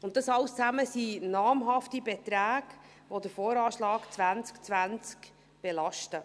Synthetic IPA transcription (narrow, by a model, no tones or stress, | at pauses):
ʊnt̚tɑsɑwst͡sæməsinɑːmɦɑftibetɾæːɡ̥ | ʋodəfoːɾɑːʃlɑːkt͡svænt͡skt͡svænt͡sk | b̥elɑʃtə